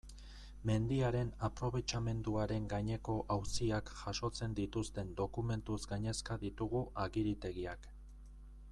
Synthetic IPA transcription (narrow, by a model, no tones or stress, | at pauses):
me̞nd̪iaɾe̞napɾo̞β̞e̞t͡ʃame̞nd̪uaɾe̞ŋɡajɲe̞ko̞ʔawsiakʝaʃo̞t͡se̞nd̪it̪ust̪e̞nd̪o̞kume̞nt̪uzɡaɲe̞skaðit̪uɣuʔaɣiɾit̪e̞ɣiak